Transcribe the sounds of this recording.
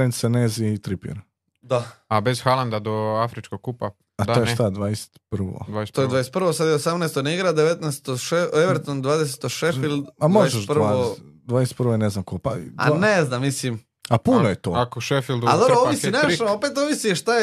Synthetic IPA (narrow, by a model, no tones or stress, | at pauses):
enseneːziːt̪ɾipḭɾ | d̪aabez̥xalˠand̪ad̪oafɾit͡ʃkoɡ̚kːupa | at̪ojeʃt̪ad̪ʋaːjese̥t̪pr̩ʋo̰d̪ast̪ojed̪ʋajeset̪pɾʋosad̪jeosamnest̪oniɡɾad̪eʋet̪nɛst̪oʃeeʋeɾt̪ond̪ʋaːd̪ese̥t̪oʃefilˠd̪amoaeʒeʃd̪praod̪ʋaːd̪ese̥t̪pɾʋojeneznamkopaa̰neznamːisim | apunojet̪oːakoʃefilˠd̪ad̪obɾooʋisinaʃoopet̪oʋisiʃt̪ae